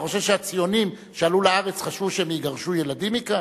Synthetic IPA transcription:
o̞ʃevʃeat͡sijo̞nim | ʃealuleaʁet͡sχaʃvuʃeemiɡaʁʃuje̞ladimika

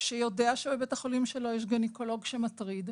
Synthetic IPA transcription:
ʃejo̞deaʃebebetaχo̞limʃelo̞jeʃ̬ɡeniko̞lo̞ɡʃe̞matʁid̪

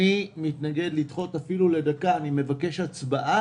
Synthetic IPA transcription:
imitnaɡe̞d̪litχo̞t̪afilule̞dakaːnime̞vake̞ʃat͡sbaʔa

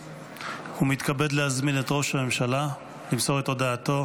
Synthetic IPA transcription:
humit̪kabe̞dlehazminetʁo̞ʃame̞mʃala | limso̞ʁeto̞daːto̞

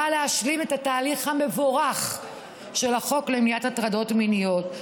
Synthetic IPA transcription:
aleaʃlime̞tataːliχhame̞voʁaχ | ʃe̞laχo̞klemijatatʁado̞tminijo̞t

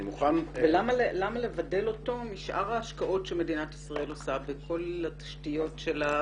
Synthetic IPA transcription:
muχanvelamalelamalevadelo̞tomiʃʔa̰ʁaːʃkaʔo̞tʃeme̞dinatisʁae̞losabekʰo̞latḁʃtijo̞tʃela

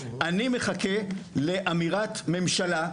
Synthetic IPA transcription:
ʔanime̞χake̞le̞ʔamiʁat̪me̞mʃala

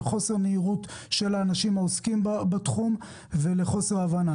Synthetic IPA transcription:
χo̞se̞ʁneiʁut | ʃe̞laːnaʃimaoskimbbat̪χum | ve̞leχo̞se̞ʁavana

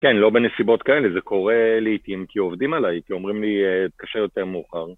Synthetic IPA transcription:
kenlo̞benesibo̞t̪kae̞lezekʰo̞ʁeliit̪imkiovd̪imalajkio̞mʁimliekaʃejo̞te̞ʁmeːχaʁ

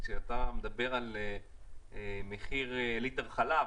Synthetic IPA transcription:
ʃeat̪amed̪abe̞ʁale | meχiʁelit̪avχala

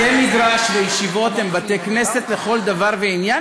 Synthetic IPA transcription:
emid̪ʁaʃvejiʃivo̞t̪hembateknese̞t̪le̞χo̞ld̪avaʁveinja

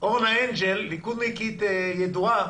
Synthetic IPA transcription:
oʁenhaend͡ʒelːikud̪mikit̪ejed̪ua

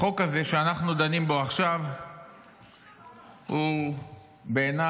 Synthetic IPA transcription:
o̞kaze̞ʃeanaχnud̪animbo̞aχʃav | hu | be̞ːna

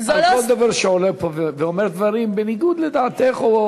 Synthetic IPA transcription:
kɔlˠd̪avaɾʃɛɔlɛpʰovvɛɔmɛɾd̪vaɾimbɪniɡud̪lɛd̪aːt̪ɛχo

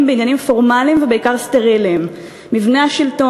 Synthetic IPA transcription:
mbeinjanimfo̞ʁmalimvebeikaʁste̞ʁilimː | ivneaʃilto

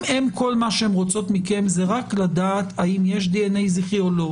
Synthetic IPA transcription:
emko̞lmaʃehemʁo̞t͡so̞t̪mike̞mzeʁaklad̪aːt̪aimje̞ʃ̬d̪ienejziχiolo

